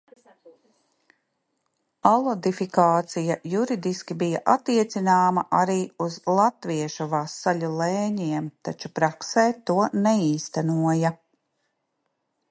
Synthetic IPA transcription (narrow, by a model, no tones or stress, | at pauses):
alˠɔd̪ifikaːt̪sijɐjuɾid̪iskʲibijaʔat̪iɛt̪sinaːmɐʔaɾiːuzlˠat̪viɛʃuvaːsːalʲulˠɛːɲiɛmt̪at͡ʃupɾaksɛːt̪uɔnɛiːst̪ɛnuɔjɐ